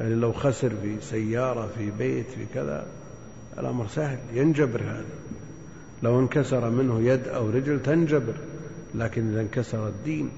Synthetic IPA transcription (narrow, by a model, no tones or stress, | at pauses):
jaʕnilawxasɪɾfisajːɑːɾˤɑfibeːt̪fḭkɪða̰ | ʔɪ̰lʔa̰mɾsahljɪnd͡ʒabɪɾhaːða | lawɪnkasɑɾˤɑmɪnhʊjad̪ʔa̰wɾɪd͡ʒlt̪and͡ʒabɪɾlaːkɪnʔɪðankasɑɾˤɑd̪ːiːn